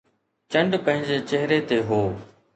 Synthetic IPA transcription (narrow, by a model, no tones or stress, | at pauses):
t͡ɕə̃ɳɖpə̃ɦɪ̃ɲd͡ʑeːt͡ɕeɦɾet̪eːɦoː